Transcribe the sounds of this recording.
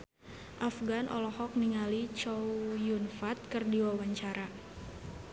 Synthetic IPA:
ʔafɡanʔɔ̰lɔhɔk̚niŋalit͡ʃowjunfat̪̚kɨrdiwawaɲt͡ʃaɾa

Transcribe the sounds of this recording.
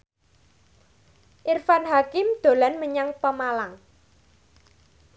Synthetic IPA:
ʔirfanɦakɪmd̪̥o̤lanməɲaŋpəmalaŋ

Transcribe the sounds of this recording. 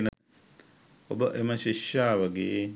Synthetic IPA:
n | obɐʔemɐɕiʃjaːʋɐɡeː

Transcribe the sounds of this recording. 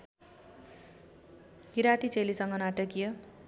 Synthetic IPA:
ɡiɾat̪it͡selisʌŋɡʌnaʈʌkijʌ

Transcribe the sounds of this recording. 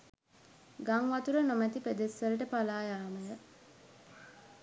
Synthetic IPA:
ɡaŋʋat̪uɾənomæt̪iped̪esʋəɾəʈəpalaːjaːməjə

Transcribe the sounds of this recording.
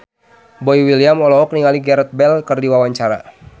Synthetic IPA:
bɔiwiliamɔlɔɦɔk̚niŋaliɡɛɾɛt̪̚bɛlkərdiwawaɲt͡ʃaɾa̰

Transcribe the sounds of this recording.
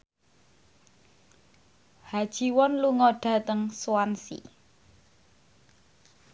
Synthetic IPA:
had̥ʒ̥i̤wɔnluŋɔɖ̥a̤t̪əŋsuwansḭ

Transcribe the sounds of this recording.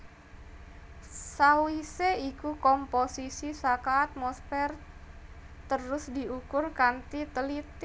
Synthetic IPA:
sawiseikukɔmposisisakaːt̪̚mɔspɛr | t̪əɾʊsdiukʊrkant̪it̪əlit̪

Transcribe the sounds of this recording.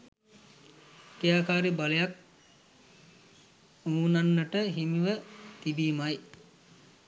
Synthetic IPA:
kejaːkaːɾibaləjak̚ | unanːəʈəɦimiʋət̪ibiːmaj

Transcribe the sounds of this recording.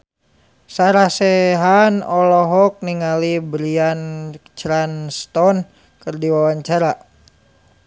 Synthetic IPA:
saɾasɛɦanɔlɔɦɔk̚niŋalibɾiant͡ʃɾanst̪ɔn | kərdiwawaɲt͡ʃaɾa

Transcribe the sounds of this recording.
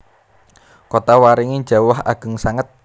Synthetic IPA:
kot̪awaɾiŋi̥d͡ʒa̤waha̰ɡ̥ə̤ŋsaŋət̪̚

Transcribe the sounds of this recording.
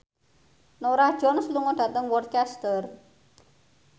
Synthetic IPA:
noɾahd̥ʒ̥ɔnsluŋɔɖ̥at̪əŋwɔrt̪̚kɛst̪ər

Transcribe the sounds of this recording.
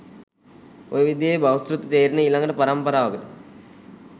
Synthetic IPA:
o̰jʋid̪jebawsɾut̪ːət̪eːɾinəilaŋɡəʈəpaɾampɐɾaːʋɐɡəʈə

